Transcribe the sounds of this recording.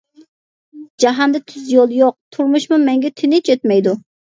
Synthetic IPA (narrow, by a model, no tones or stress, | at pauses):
d͡ʒaɦɑnd̪ɛt̪ʰyzjolˠjoq̚t̪ʰʊɾmʊʃmʊmeŋɡʲɛt̪ʰɪnɪt͡ʃʰøt̪mɛjd̪ʊ